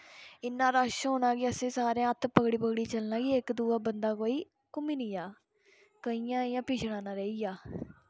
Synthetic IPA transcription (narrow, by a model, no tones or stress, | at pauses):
ɪnːãːɾaːʃɦoːnãːɡiəsẽːsaːɾẽət̪ʰːpəɡɽiːpəɡɽiːt͡ʃəlnãːɡiɪkd̪uːaːbənd̪aːkoːiː | kʊmiːnijaː | kəijãːijãːpiːʃɽãːnãːɾəiɡaː